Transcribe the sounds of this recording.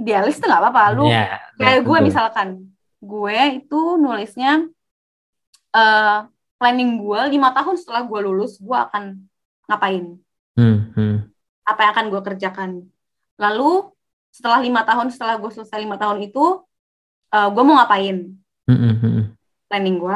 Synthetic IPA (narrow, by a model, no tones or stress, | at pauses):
idealɪst̪əŋɡaʔpapalṵkajaɡuɛmisalkan | ɡuɛit̪unolɪsɲa | ʔəː | plɛnɪŋɡuɛlimat̪aɦʊnsə̥t̪əlahɡuɛlulʊsɡuɛa̰kan | ŋapaɪn̩ | apajaŋakanɡuɛkərd͡ʒakan | lalu | sə̥t̪əlahlimat̪aɦʊnsə̥t̪əlahɡuɛsələsajlimat̪aɦʊnit̪u | ʔəːɡuɛmoŋapaɪn | m̩ | plɛnɪŋɡuɛ